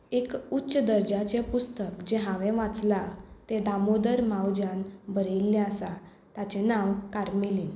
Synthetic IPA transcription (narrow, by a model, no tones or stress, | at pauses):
ekutːɕəd̪əɾd͡ʑat͡ɕẽpust̪əkd͡ʑeɦãʋɛ̃ʋãt͡slat̪ẽd̪amod̪əɾmawd͡ʑanbəɾelːãasa | t̪at͡ɕẽnãwkaɾmeliːn